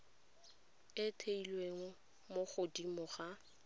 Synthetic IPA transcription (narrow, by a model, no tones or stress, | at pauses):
ɪtʰeilweŋʊ | moχʊdimʊχa